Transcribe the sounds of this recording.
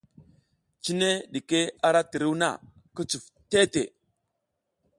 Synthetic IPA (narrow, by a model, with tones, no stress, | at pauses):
t͡ʃi˦ne˦ɗi˨ke˦a˦ɾa˦ti˨ɾi˦wna̰˦˨ | kə˦t͡su˨f | te˦tḛ˨